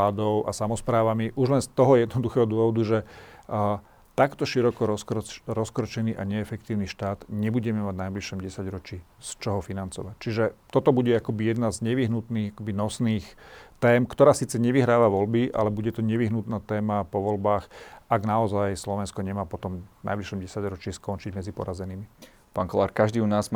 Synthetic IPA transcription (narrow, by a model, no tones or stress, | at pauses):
ad̪ɔʊʔa̰samɔspɾaːʋamiʔuʒlɛnst̪ɔɦɔjɛd̪nɔd̪uxɛːɦɔd̪ʊɔʋɔd̪uʒɛ | t̪akt̪ɔʃiɾɔkɔɾɔskɾɔɾɔskɾɔt͡ʃɛniːʔaɲɛːfɛkt̪iːʊniʃt̪aːd̪ɲɛbuɟɛmɛmaɟnajbliʃɔmɟɛsaɟɾɔt͡ʃiːst͡ʃɔɦɔfinant͡sɔʋac̚t͡ʃiʒɛt̪ɔt̪ɔbuɟɛakɔbijɛd̪nazɲɛʋiɦnut̪niːɣakɔbinɔsniːxt̪ɛːmkt̪ɔɾaːsiːt͡sɛɲɛʋiɦɾaːʋaʋɔlbiʔa̰lɛbuɟɛt̪ɔɲɛʋiɦnut̪naːt̪ɛːmapɔʋɔlbaːxaɡnaɔzajslɔʋɛnskɔɲɛmaːpɔt̪ɔmna̰jbliʃɔmɟɛsaɟɾɔt͡ʃiːskɔnt͡ʃiɟmɛd͡zipɔ̰ɾazɛniːmi | paːnkɔlaːɾkaʒd̪iːunaːzm